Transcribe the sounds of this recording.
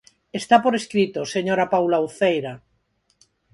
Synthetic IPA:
est̪apoɾeskɾit̪oseɲoɾapawlauθejɾa

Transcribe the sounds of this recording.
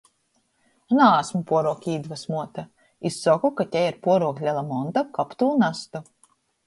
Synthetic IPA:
naaːsmupuɔɾuɔkʲiːd̪vasmuɔt̪a | isːɔkukat̪ʲɛjiɾpuɔɾuɔklʲɛlˠamɔnt̪akapt̪uːnast̪u

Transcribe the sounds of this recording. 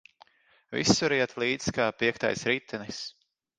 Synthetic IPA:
vḭsːuɾiɛt̪ʰlˠiːd̪zkaːpiɛkt̪a̰jsɾiːt̪ʰːɛnis

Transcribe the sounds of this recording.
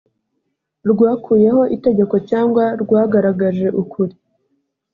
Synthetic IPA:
ɾɡwaːkʰuːje̞ho̞ʔite̞ɡe̞ko̞caːŋɡwaɾɡwaːɡaɾaɡaʒe̞ʔukʰuɾi

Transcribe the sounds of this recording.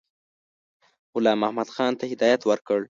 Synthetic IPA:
ɣʊlɑːmahmad̪̥xɑnt̪ahɪd̪ɑjat̪wəɾkəɽ

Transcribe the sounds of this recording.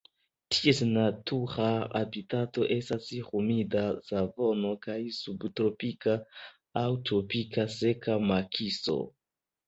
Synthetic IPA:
tʰie̞snatuʁaa̰bitato̞ʔe̞stasihumidazavo̞no̞kajsubtɾo̞pikaː | wtɾo̞pikase̞kamakʰiso̞̰

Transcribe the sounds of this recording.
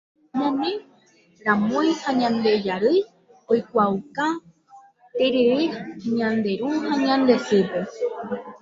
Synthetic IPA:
mõmẽ | ɾãmõjhãɲãnd̪e̞d͡ʒaɾɨj | ojkʷawka | t̪eɾeɾeɲãnd̪e̞ɾuhãɲãnd̪e̞sepe

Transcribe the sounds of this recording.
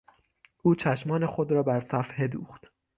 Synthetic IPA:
ʔuːt͡ʃʰæʃmɒːne̞xo̞d̪ɾɒːbæɾsæfhe̞d̪ṵːχt̪

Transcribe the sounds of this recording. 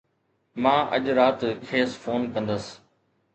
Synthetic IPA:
mãːʔə̰ʄɾaːt̪kʰeːsfoːnkɐ̃nd̪əs

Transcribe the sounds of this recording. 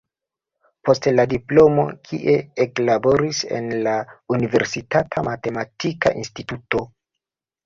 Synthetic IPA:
po̞stladiplo̞mo̞̰kʰḭʔe̞eklabo̞ɾise̞̰nlaunive̞ɾsitatʰamate̞matika̰ʔinstituto̞

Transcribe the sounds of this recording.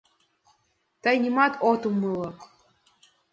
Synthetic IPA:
t̪ɑjnʲimɑt̪ot̪umɨlˠɤk

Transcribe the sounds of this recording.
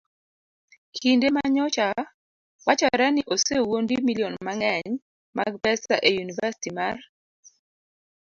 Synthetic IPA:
kʰindemaɲɔt͡ʃa | wat͡ʃɔɾɛnɪʔosewondimilionmaŋɛɲ | maɡ̚pɛsaʔejunivasi̥timar

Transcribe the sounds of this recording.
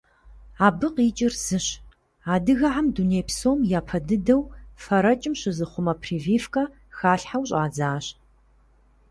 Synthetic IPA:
aːbɨqiːt͡ʃʼɪrz̥ɨɕ | aːdɨɣɐʕamduneːpsoːmjaːpʰɐdɨdɐwfɐɾɐt͡ʃʼɪmɕɪzɨχʷʊmɐpʰriːviːfkʼɐ | xaːɬħawɕʼaːd͡zaːɕ

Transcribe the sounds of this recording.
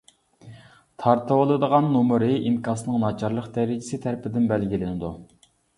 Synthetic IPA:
t̪ʰɑɾt̪ʰɨwɨlˠɨd̪əʁɑnːumɨɾɨʔimkʰɑsɨnɨŋnɑt͡ʃʰɑɾlˠəqd̪ɛɾɪd͡ʒɪsɪt̪ʰæɾpʰɪd̪ɪnbælɡʲilɪnɪd̪u

